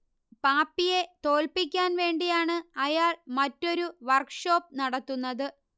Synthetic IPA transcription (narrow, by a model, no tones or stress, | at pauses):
paːpːije̞t̪o̞ːlpik̬ʲːaːnʋe̞ːɳɖijaːɳɨɐjaːɭmɐtːo̞ɾuʋɐrkʂo̞ːp̚ːnɐɽɐt̪ːunːɐðɨ